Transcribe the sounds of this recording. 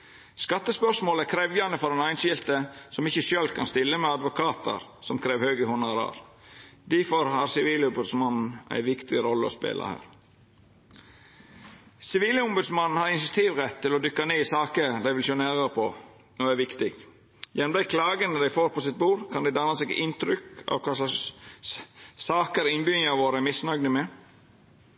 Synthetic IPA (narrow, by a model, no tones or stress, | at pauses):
skɑt̪ːəspœʂmoːlækʰɾɛʋjɑnəfɔɾɛnɑɪnʃɪlt̪əsɔmɪçəʃøːlkʰɑnst̪ɪlːəmɛɑd̪ʋʊkʰɑːt̪ʰə̰ɾsɔmkʰɾeːʋhøːɡəhʊnɑɾɑ̰ɾ | d̪ifɔɾhɑɾsɪʋiːlʊmbʉd̪smɑnn̩ʔæ̰ɪʋɪkt̪ɪɾɔlːəɔ̰spḛːlɑ̰hæ̰ːɾ | sɪʋiːləʊmbʉd̪smɑnn̩hɑɾɪnsɑt̪ʰiːʋɾɛt̪ʰːɪlɔd̪ʏkːɑneːɪsɑːkəd̪æɪʋɪlsʊnæːɾəɾpʰɔ | nɔæɾʋɪkt̪ɪkt̪ | jɛnm̩b̪æɪkʰlɑːɡənəd̪æɪfoːɾpʰɔsɪt̪̚buːɾkʰɑnd̪æɪd̪ɑnɑsɛɡɪnt̪ɾʏkɑ̰ʋkʰɑːs | sɑːkəɾɪnbʏnɑʋoːɾəæmɪsnɑɡnəmɛ